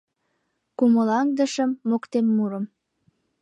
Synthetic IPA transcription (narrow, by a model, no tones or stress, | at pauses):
kuməlɑŋd̪ə̆ʃəmːokt̪emːuɾəm